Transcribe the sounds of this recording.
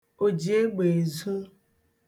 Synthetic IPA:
o˨d͡ʒi˨˦e˦ɡ͡be˨zu˦

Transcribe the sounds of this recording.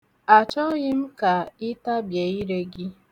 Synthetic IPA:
a˨t͡ʃɔ˦ɣɪ˦m̩˦ka˨ɪ˦ta˦bje˨i˦ɾe˦ɡɪ˦

